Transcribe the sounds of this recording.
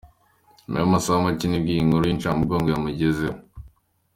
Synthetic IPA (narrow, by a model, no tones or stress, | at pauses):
mḛomasaamacinibɡiŋuɾuint͡ʃamuɡoːŋɡojamuɟezeo